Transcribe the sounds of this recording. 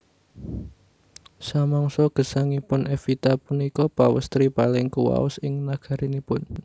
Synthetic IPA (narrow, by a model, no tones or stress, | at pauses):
samɔŋsɔɡ̥ə̤saŋipʊnʔefit̪apunikɔpawəst̪ɾipalɪŋkuwa̰ʊsɪŋnaɡ̥a̤ɾinipʊn